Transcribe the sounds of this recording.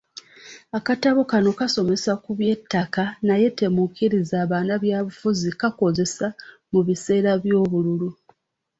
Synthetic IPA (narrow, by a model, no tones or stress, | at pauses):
akataβukano̞kaso̞me̞sakuβje̞tːakanaje̞temukiɾizaːβaːnaβjaːβufuzikako̞ze̞sa | muβise̞ːɾaβjo̞ːβululu